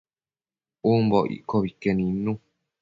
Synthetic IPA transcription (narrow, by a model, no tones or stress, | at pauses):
umbɔʔḭʔkoβikenĩnũ